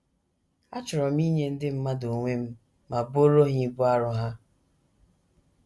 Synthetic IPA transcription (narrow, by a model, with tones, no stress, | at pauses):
a˦t͡ʃʊ˨ɾɔ˨m˦i˦ɲe˦n̩˦dɪ˦m̩˦ma˦do˨ŋʷe˦m̩˦ | ma˨bo˦ɾo˦ɦi˦bu˦a˦ɾʊ˦ɦa˦